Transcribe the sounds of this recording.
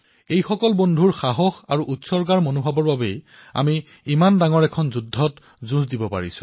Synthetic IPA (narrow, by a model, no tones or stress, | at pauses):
ejxɔkɔlbondʱuɹxaɦɔxaɹuʔutsɔɹɡaɹmonobʱabɔɹbabej | a̰miː | mandaŋɔɹɛkʰɔnzudʱːɔt | zũsdibɔpa̰ɹisʊ̥̰̃